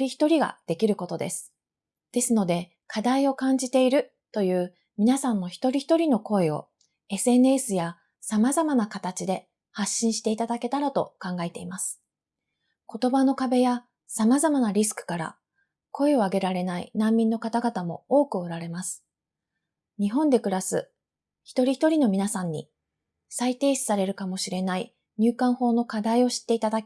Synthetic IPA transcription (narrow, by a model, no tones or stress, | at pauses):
ɾʲiçi̥t̪o̞ɾʲiɡa̰d̪̥e̞kʲiɾɯ̟ko̞t̪o̞d̪e̞̰sɨ̥ | d̪̥e̞sɨno̞d̪e̞ | kʰad̪aio̞kãɲ̟d͡ʑit̪e̞iɾɯ̟ | t̪o̞jɯ̟ː | mʲinasãnːo̞çi̥t̪o̞ɾʲiçi̥t̪oɾʲino̞ko̞eo̞̰ | e̞sɨe̞nɯ̟esɨja | samazamanakat̪at͡ɕid̪e̞ | haɕːĩɕi̥t̪e̞it̪ad̪ake̞t̪aɾat̪o̞kãŋɡae̞t̪e̞imasɨ̥ | ko̞t̪o̞bano̞kabe̞ja | samazamanaɾʲis̬ɨ̥kɯ̟̥kaɾa̰ | ko̞eo̞aɡe̞ɾaɾe̞naḭnãmʲːĩnːo̞kat̪aɡat̪amo̞o̞ːkɯ̟oɾaɾe̞masɨ̥ | ɲ̟iɦõ̞nd̪e̞kɯ̟ɾasɨ̰ | çi̥t̪o̞ɾʲiçi̥t̪o̞ɾʲino̞mʲinasãɲ̟ːḭ | sait̪e̞ːɕi̥saɾe̞ɾɯ̟kamo̞ɕiɾe̞nai | ɲ̟ɨːkãɰ̃ho̞ːno̞kad̪aio̞ɕi̥t̪ːe̞it̪ad̪akʲi